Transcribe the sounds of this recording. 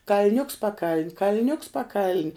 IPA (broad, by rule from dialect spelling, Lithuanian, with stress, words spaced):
kɐlʲˈnʲʊks pɐˈkɐlʲnʲ kɐlʲˈnʲʊks pɐˈkɐlʲnʲ